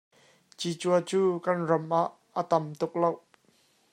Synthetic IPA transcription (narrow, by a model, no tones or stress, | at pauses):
t͡ɕit͡ɕuət͡suːkɐnrɔmʔaʔːət̪ɐmt̪ʊk̚low